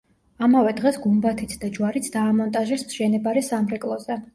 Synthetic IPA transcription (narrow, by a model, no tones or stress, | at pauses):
amavɛd̪ʁɛsɡumbat̪ʰit̪ʰd̪ad͡ʒwaɾit̪sʰd̪̥aːmɔnt̪ʼaʒɛsmʃɛnɛbaɾɛsamɾɛkʼlˠɔzɛ